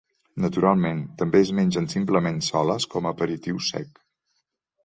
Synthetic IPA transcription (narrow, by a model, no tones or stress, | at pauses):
nət̪uɾalˠment̪əmbeəzmenʲʒənsimpləmensɔləskɔməpəɾit̪iwsɛ̰k